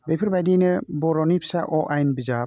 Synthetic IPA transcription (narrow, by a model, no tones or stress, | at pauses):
bepʰɯɾbajdinɯbɔɾɔnipʰsaʔɔʔajnbiza